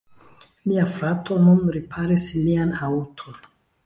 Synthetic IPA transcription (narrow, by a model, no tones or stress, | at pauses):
miafɾato̞nunɾipʰaɾislianautʰon